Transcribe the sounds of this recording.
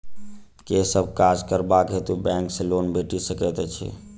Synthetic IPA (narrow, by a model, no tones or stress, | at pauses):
kesəbʱkad͡ʒkəɾbakɦet̪ubɛ̃ŋksẽlonbeʈisəkɛt̪ɛt͡ʃʰɛ̰